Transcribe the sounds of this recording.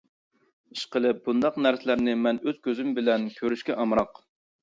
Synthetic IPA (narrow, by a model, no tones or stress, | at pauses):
i̥ʃqəlˠɨp̚bund̪ɑqnæɾsɪlæɾnɪmɛnøz̥kʲøzymbɪlɛnkʲʰøɾyʃkʲɛʔɑmɾɑq